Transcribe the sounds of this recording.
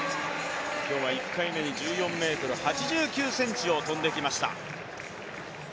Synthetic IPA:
kʲo̞ːβaikʰːaime̞ɲ̟id͡ʑɨːjõ̞mːe̞ːt̪o̞ɾɯ̟hat͡ɕiʑɨːkʲɨːsẽ̞ɲt͡ɕio̞t̪õ̞nd̪e̞kʲimaɕi̥t̪a̰

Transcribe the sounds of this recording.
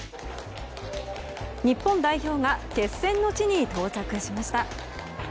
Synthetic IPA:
ɲ̟ipːõ̞nd̪aiço̞ːŋake̞sːẽ̞nːo̞t͡ɕiɲ̟it̪o̞ːt͡ɕakɯ̟ɕimaɕi̥t̪a

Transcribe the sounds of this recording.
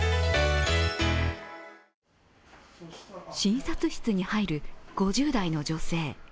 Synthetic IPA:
ɕĩɰ̃sat͡sɨɕi̥t͡sɨɲ̟ihaiɾɯ̟ɡ̥o̞ʑɨːd̪aino̞d͡ʑo̞se̞ː

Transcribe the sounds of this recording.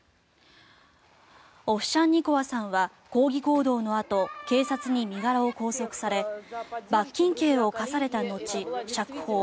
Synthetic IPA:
o̞ɕãɲ̟ːiko̞βasãɰ̃βa | ko̞ːɡʲiko̞ːd̪o̞ːno̞at̪o̞ke̞ːsat͡sɨɲ̟imʲiɡaɾao̞ko̞ːso̞kɯ̟̥saɾe̞bakʲːĩŋke̞ːo̞kasaɾe̞t̪ano̞t͡ɕiɕakɯ̟̥ho̞ː

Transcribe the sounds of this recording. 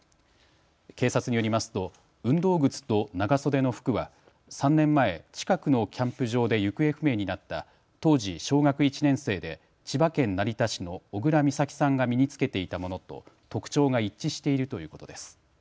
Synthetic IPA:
ke̞ːsat͡sɨɲ̟ijoɾʲimasɨ̥t̪o̞ | ɯ̟̃nd̪o̞ːɡɯ̟t͡sɨ̥t̪o̞naɡaso̞d̪e̞no̞ɸɯ̥kɯ̟βa | sãnːẽ̞mːae̞t͡ɕi̥kakɯ̟no̞kʲʰãmpɯ̟ʑo̞ːd̪e̞jɯ̟kɯ̟e̞ɸɯ̟me̞ːɲ̟inat̪ːa | t̪o̞ːʑiɕo̞ːɡakɯ̟it͡ɕinẽ̞ɰ̃se̞ːd̪e̞ | t͡ɕibakẽ̞nːaɾʲit̪aɕino̞ːɡɯ̟ɾamʲisakʲi̥sãŋɡamʲiɲ̟it͡sɨ̥ke̞t̪e̞it̪amo̞no̞t̪o̞̰t̪o̞kɯ̟̥t͡ɕo̞ːɡait͡ɕːiɕi̥t̪e̞iɾɯ̟t̪o̞jɯ̟ːko̞t̪o̞̰d̪e̞sɨ̥

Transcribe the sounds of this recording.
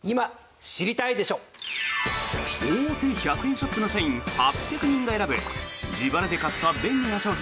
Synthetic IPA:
ima | ɕiɾʲit̪aid̪e̞ɕo̞ː | ɯɾot̪eçakɯ̟hẽɕo̞pːɯno̞saĩŋhapʲjakɯ̟ɲ̟ĩŋɡae̞ɾabɯd͡ʑibaɾad̪e̞kat͡sɨ̥t̪oβabẽ̞nːijaɕoː

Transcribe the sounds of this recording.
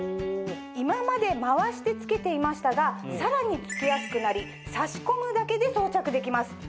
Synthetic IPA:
imamad̪e̞maβaɕi̥t̪e̞t͡sɨ̥ke̞t̪e̞imaɕi̥t̪aɡasaɾaɲ̟it͡sɨ̥kʲijasɨ̥kɯ̟naɾʲi | saɕi̥ko̞mɯ̟d̪ake̞d̪e̞so̞ːt͡ɕakɯ̟d̪e̞kʲimasɨ̥

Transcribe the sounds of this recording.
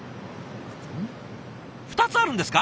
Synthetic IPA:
ɸɯ̟̥t̪at͡sɨaɾɯ̃nd̪e̞sɨ̥ka

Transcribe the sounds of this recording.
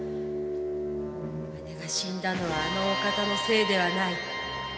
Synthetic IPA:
m | eneɡaɕĩnd̪ano̞β̞aːno̞ːkat̪ano̞se̞ːd̪e̞β̞anai

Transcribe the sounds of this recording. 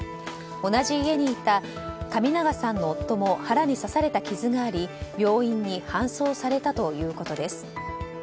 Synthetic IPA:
o̞naʑiːe̞ɲ̟iːt̪a | kamʲinaɡasãnːo̞ːt̪ːo̞mo̞haɾaɲ̟isasaɾe̞t̪akʲizɨɡaːɾʲibʲjo̞ːĩɲ̟ːihãɰ̃so̞ːsaɾe̞t̪at̪o̞jɯ̟ːko̞t̪o̞d̪e̞sɨ̥

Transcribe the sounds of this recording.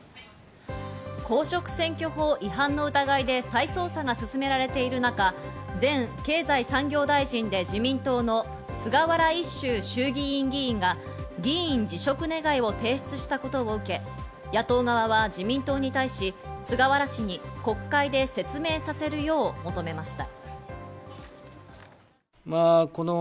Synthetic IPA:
ko̞ːɕo̞kɯ̟̥sẽ̞ŋkʲo̞ɦo̞ːʔiɦãnːo̞ɯ̟t̪aɡaid̪e̞saiso̞ːsaɡasɨsɨme̞ɾaɾe̞t̪e̞iɾɯ̟naka | d͡zẽ̞ŋke̞ːzaisãŋɡʲo̞ːd̪aiʑĩnd̪e̞d͡ʑimʲĩnt̪o̞ːno̞ | sɨɡaβaɾaiɕːɨːɕɨːɡʲiĩŋɡʲĩːŋɡa | ɡʲiĩɲ̟d͡ʑiɕo̞kɯ̟ne̞ɡaio̞t̪e̞ːɕt͡sɨɕi̥t̪ako̞t̪o̞oɯ̟ke̞ | jat̪o̞ːɡaβaβ̞ad͡ʑimʲĩnt̪o̞ːɲ̟it̪aiɕisɨɡaβaɾaɕiɲ̟iko̞kːaid̪e̞se̞t͡sɨme̞ːsase̞ɾɯ̟jo̞ːmo̞t̪o̞me̞maɕi̥t̪a | maːko̞no

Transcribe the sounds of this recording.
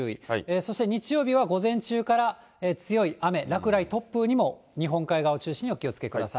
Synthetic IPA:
ɯːḭeːso̞ɕi̥t̪e̞ɲ̟it͡ɕijo̞ːbʲiβaɡo̞zẽ̞ɲt͡ɕɨːkaɾa | eːt͡sɨjo̞iame̞ɾakɯ̟ɾait̪o̞pːɯ̟ɲ̟imo̞ | ɲ̟iɦõ̞ŋkaiɡaot͡ɕɨːɕĩɲ̟io̞kʲio̞t͡sɨ̥ke̞kɯ̟d̪asa̰

